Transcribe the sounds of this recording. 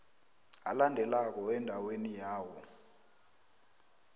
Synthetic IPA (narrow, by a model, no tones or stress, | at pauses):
a̰landʱɛlak̬ɔɛndʱawenijaːwɔ